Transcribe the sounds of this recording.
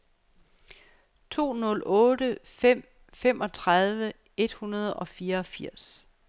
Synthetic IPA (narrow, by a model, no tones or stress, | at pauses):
t͡sʰo̝̰ːnɔ̽lʔɔ̽ːɾ̥əfem̰ | fem̰ʔɒ̽t͡sʰʁɑð̞ˠʋə | e̝d̥hunɐð̞ˠɒ̽fiːɐɒ̽fiɐ̰s